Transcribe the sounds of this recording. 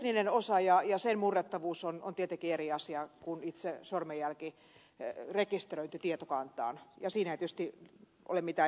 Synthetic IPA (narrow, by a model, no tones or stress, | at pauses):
ninenosɑjɑjɑsenmurːet̪ːɑʋuːsono̰nt̪iet̪eŋkieriɑsiɑkunit̪sesormejælki | rekist̪erøint̪yt̪iet̪okɑnt̪ɑ̰ːnjɑsiːnæit̪yøst̪i | ʔo̰lemit̪æː